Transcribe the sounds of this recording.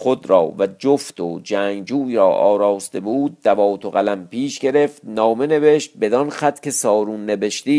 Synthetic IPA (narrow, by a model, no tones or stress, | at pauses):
xod̪ɾɒ̰ːvæd͡ʒoft̪ʰod͡ʒæŋɡd͡ʒuːɾɒːʔɒ̰ːɾɒːst̪e̞buːd̪̚ːævɒːt̪ʰoɣælæmpiːʃɟe̞ɾe̞ft̪nɒːme̞ne̞ve̞ʃt̪̚be̞d̪ɒnxæt̪cʰe̞sɒːɾunːe̞ve̞ʃt̪iː